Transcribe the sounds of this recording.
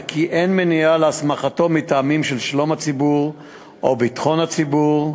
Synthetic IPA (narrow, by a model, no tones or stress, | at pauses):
kiʔenmenialeasmaχato̞mitamimʃelʃlo̞mat͡sibuʁ | ʔobit̪χo̞nhat͡sibuʁ